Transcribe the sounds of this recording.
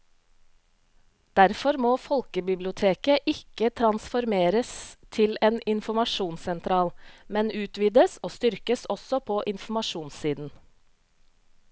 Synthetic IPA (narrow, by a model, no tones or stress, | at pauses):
d̪̥æɾfɔɾmoːfɔlkəbɪblɪʊt̪ʰeːkəʔɪkət̪ʰɾɑnsfɔɾmeːɾəst̪ʰɪleːnɪnfʊmɑʃuːnsɛnt̪ʰɾɑːlmɛnʉːt̪ʋiːd̪əsoːst̪ʏɾkəsɔsɔpʰoːʔɪnfmɑʃuːnssiːd̪n̩